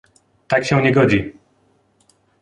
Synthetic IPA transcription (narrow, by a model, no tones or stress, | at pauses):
t̪akɕɛ̃w̃ɲɛɡɔd͡ʑi